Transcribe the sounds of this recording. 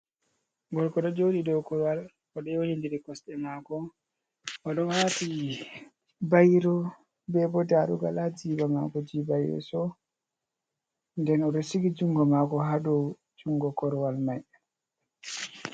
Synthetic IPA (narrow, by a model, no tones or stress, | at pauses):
ɡɔlkɔɗɔd͡ʒoɗidɔwkɔɾwal | ɔɗɔohindiɾikɔsɗɛmaːkɔ | ʔɔɗɔnwati | bajɾɔ | bɛbɔdaɾuɡa̰lad͡ʒiːbama̰kɔd͡ʒiːbajɾɛ̰sɔ | ndɛnɔɗɔsiɡid͡ʒuŋɡɔmakɔɦaɗɔ | d͡ʒuŋɡɔkɔɾwalmaj